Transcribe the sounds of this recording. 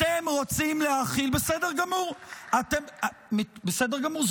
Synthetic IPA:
temʁot͡simlehaχilbesedeʁɡamuʁat̪emmibesedeɡamuʁz

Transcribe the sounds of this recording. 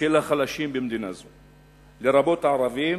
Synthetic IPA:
elaχalaʃimbemd̪inazo | leɾabo̞t̪ʕaɾavi

